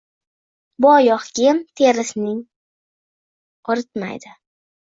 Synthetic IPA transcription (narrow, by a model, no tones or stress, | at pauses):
bʊɒjɒχɡʲɪmt̪ʰeɾɪsnɪŋ | ɒɾɪt̪ma̰jd̪ɪ